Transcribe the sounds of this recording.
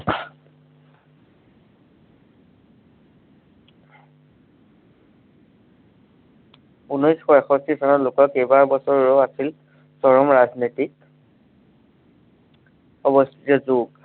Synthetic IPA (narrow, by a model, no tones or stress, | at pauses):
unɔjskɔɛxɔstisɔnɔlʊkɔkejbaɹbɔsɔɹɹoasil | sɔɹɔmɹazniti | ɔbɔstʰi̥tɔzuɡ